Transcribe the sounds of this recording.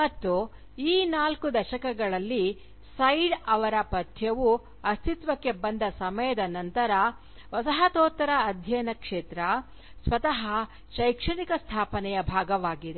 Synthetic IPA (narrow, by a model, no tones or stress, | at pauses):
mɐt̪ːu | iːnaːlkud̪ɐʃɐkɐɡɐɭɐlːi | sɐjɖɐʋɐɾɐpɐt̪ʰjɐʋu | ɐst̪ʰit̪ʋɐkːe̞bɐnd̪ɐsɐmɐjɐd̪ɐnɐnt̪ɐɾɐ | ʋɐsɐɦɐt̪oːt̪ːɐɾɐːd̪ʱjɐjnɐkʂeːt̪ɾɐ | sʋɐt̪ɐɦɐ | ʃɐjkʂɐɽikɐst̪ʰaːpɐnɛjɐbʱaːɡɐʋaːɡid̪e